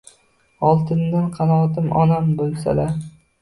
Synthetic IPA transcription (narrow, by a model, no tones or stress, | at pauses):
ɒlˠt̪ʰɪnd̪anqʰɑnɒːt̪ɪmɒnambolˠsa̰laɾ